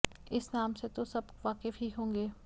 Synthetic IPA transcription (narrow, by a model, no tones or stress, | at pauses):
ɪsnaːmset̪osɐbʋaːkɪfɦiɦõːŋɡeː